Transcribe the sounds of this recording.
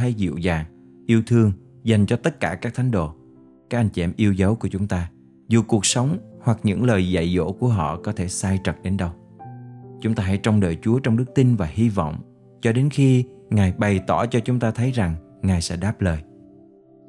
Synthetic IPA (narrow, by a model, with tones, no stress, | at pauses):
a˧jzḭ˧˨wzaː˨˩ŋ | ʔi˧əwt̪ʰɨ˧əŋ | za˨˩jŋ̟t͡ɕɔ˧t̪ə˦˥t̚kaː˧˩kaː˦˥k̚t̪ʰa˨˦jŋ̟ɗo̰˧˨ | kaː˦˥k̚ʔa˧jŋt͡ɕɛ̰˧˩mʔi˧əwzə˨˦wku˧˩ət͡ɕʊ˨˦ŋ͡mt̪aː˧ | zu˨˩ku˨˩ək̚sə˨˦wŋ͡mhwa˨˩k̚ɲɨ̰˧˥ŋləː˨˩jza̰˧˨jzo̰˧˥ku˧˩əɦɔ̰˧˨kɔ˨˦t̪ʰe˧˩saː˧jt͡ɕə˨˩t̚ɗe˨˦nɗə˧w | t͡ɕʊ˨˦ŋ͡mt̪aː˧ɦa̰˧˥˩jt͡ɕɔ˧wŋ͡mɗəː˨˩jt͡ɕu˨˦ət͡ɕɔ˧wŋ͡mɗɨ˦˥k̚t̪i˧nvaː˨˩hi˧vɔ̰˧˨wŋ͡m | t͡ɕɔ˧ɗe˨˦nxi˧ŋaː˨˩jɓa˨˩jt̪ɔ˧˩t͡ɕɔ˧t͡ɕʊ˨˦ŋ͡mt̪aː˧t̪ʰə˨˦jza˨˩ŋ | ŋaː˨˩jsɛ̰˧˥ɗaː˦˥p̚ləː˨˩j